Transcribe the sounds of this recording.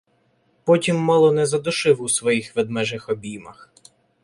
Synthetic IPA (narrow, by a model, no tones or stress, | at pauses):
pɔtʲimːɔlˠɔnɛzɐd̪ʊʃɪwusʋɔjixʋɛd̪̚mɛʒɪxɔbʲimɐx